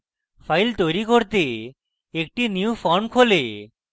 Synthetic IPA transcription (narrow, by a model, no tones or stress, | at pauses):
fʰajlt̪ojɾikoɾt̪e | ek̚ʈiniufɔnkʰole